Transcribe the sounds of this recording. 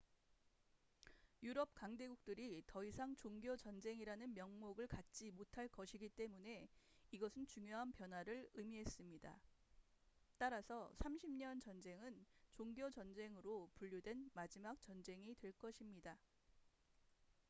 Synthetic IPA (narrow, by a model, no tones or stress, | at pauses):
juɾʌp̚kaŋde̞ɡuk̚t͈ɯɾitʌisʰaŋt͡ɕoŋɡjot͡ɕʌnd͡ʑe̞ŋiɾanɯnmjʌŋmoɡɯɭkat̚t͡ɕ͈imotʰaɭk͈ʌɕʰiɡit͈e̞mune̞iɡʌsʰɯnt͡ɕuŋjoɦanpjʌnwaɾɯɭɯmiɦe̞s͈ɯmɲida̰ | t͈aɾasʰʌsʰamɕʰimɲʌnt͡ɕʌnd͡ʑe̞ŋɯnt͡ɕoŋɡjot͡ɕʌnd͡ʑe̞ŋɯɾopuʎːudwe̞nmad͡ʑimak̚t͡ɕ͈ʌnd͡ʑe̞ŋitwe̞ɭk͈ʌɕʰimɲida